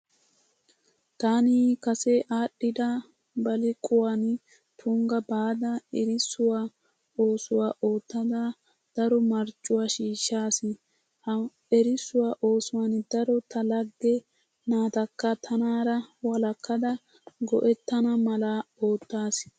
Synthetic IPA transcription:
t̪aːniːkɐsɛʔaːɗɪd̪ɐ | bɐlɪkʼʊwan | t̪ʰʊŋɡɐbaːd̪ɐɛɾɪsʊwaː | o̞ːsʊwaːʔo̞ːt̪ːɐd̪a | d̪̥ɐɾɔmɐɾt͡ʃʼːʊwaːʃiːʃːaːsɪ | hɐ | ɛɾɪsʊwaːʔoːsʊwaːnd̪ɐɾɔt̪ɐlɐɡːɛ | naːt̪ɐkːɐt̪ʰɐnaːɾɐwɐlɐkʰːɐd̪ɐ | ɡɔʔɛt̪ːɐnɐmɐlɐo̞ːt̪ːaːs

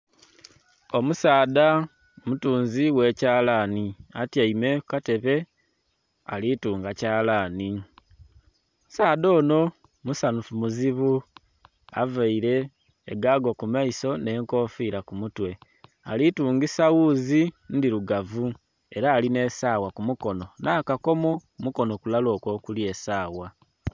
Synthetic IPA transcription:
o̞musaːda | omutuːnziwe̞ːcaːlaniatjaime̞kate̞βe̞ | a̰lituːŋɡacaːlaːni | saːdo̞ːno̞ | musanufumuziβu | a̰vaiɾe̞ː | ɡaɡokumaiso̞ne̞ːŋko̞ːfiːɾakumutwe̞ | alituːŋɡisawuzindiɾuɡavu | e̞ɾaːline̞saːwakumuko̞no̞naːkako̞mokumuko̞no̞kulalo̞ːkwo̞kulie̞saːwa

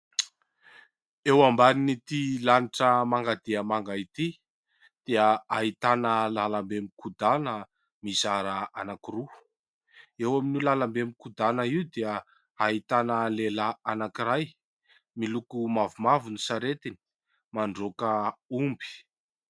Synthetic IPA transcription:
ewambaninit̪ilaniʈ͡ʂəmaŋɡad̪eəmaŋɡait̪i | d̪̥eəaɦit̪anəlalambemikʰud̪anə | mizaɾaanakiɾu | ewaminilalambemikud̪anəiwd̪eə | aɦit̪anəlelaanakiɾaj | milukumavumavunusaɾet̪ini̥ | maɳɖ͡ʐokəumbi̥

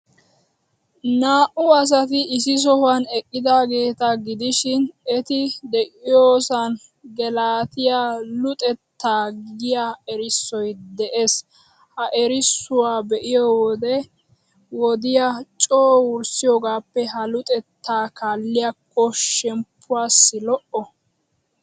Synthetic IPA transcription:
naːʔʊɐs̬ɐt̪ɪɪsɪs̬ɔhɐnɛkʼːɪd̪aːɡe̞ːt̪ɐɡɪd̪ɪʃɪnɛt̪ɪd̪ɛʔʼɪjoːsɐn | ɡɛlaːt̪ɪjalʊt̪ʼɛt̪ːaːɡɪjaɛɾɪsːɔjd̪ɛʔes | hɐʔɛɾɪsːʊwaːbɛʔɪjɔwɔd̪ɛ | wɔd̪ɪjat͡ʃʼoːwʊɾsɪjoːɡaːpːɛɦɐlʊt̪ʼɛt̪ʰːaːkaːlːɪjakʰːɔʃɛmpʰːʊwaːsːɪlɔʔɔ

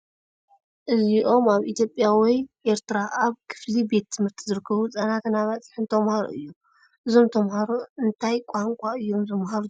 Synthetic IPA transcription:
ʔɨziʔo̞maβʔit̪ʰjo̞pʼjawɔjʔe̞ɾt̪ɾaʔaβkʰɨ̥flibet̪ːʰɨmhɨɾt̪ʰizɨɾɨkʰːɐβut͡sʼɐnak̪ʰɨnaβat͡sʼi̥ħɨnt̪ʰɐmhaɾo̰ʔɨ̰jːu | ʔɨzo̞mt̪ʰɐmhaɾoɨnt̪ʰajkʷʼaŋkʷʼaɨjːo̞mzɨmɦaɾu

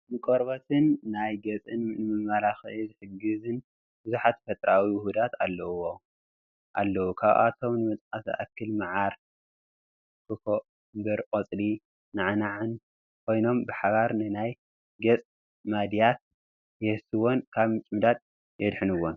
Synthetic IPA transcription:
nɨkʼoɾbɐt̪ʰɨnːajɡɐt͡sʼɨnnɨmɨmːalaxizɨħɨɡːɨzɨn | bɨzuħat̪fɐt̪ʼɾawijɪhud̪at̪ʰalːɐwo | ʔa̰lːɐwukʰaβʔa̰t̪ʰo̞mnɨmɨt̪ʼqasa̰ʔa̰kʰːɨlmaʕaɾ | kɨkʰo | bɨɾqʼot͡sʼli | naʕnaʕɨn | kʰo̞jno̞mbɨħaβaɾnɨnaj | ɡɐt͡sʼ | mad̪jat̪̚ | jɛhɨsɨwonkʰaβmɨt͡ʃʼmɨd̪at̪̚ | jɛd̪ħɨnɨwon

